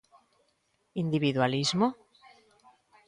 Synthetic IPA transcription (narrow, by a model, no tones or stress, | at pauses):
ind̪iβiðwalizmo